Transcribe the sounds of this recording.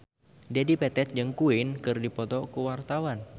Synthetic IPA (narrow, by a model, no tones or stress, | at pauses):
d͡ʒadipɛt̪ɛt̪̚d͡ʒɨŋkuɪnkɨrdipɔt̪ɔkəwart̪awan